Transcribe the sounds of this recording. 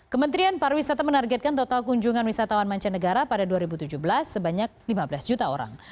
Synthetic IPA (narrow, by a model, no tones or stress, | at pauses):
kəmənt̪ɾianpaɾwisat̪amənarɡɛt̪̚kant̪ot̪alkuɲd͡ʒuŋanwisat̪awanmaɲt͡ʃanəɡaɾapadaduaɾibut̪ud͡ʒuhbəlasːəbaɲak̚limabəlasd͡ʒut̪ao̰ɾa̰ŋ